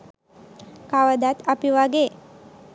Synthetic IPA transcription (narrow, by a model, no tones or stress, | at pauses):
kaʋəd̪at̪apiʋaɡe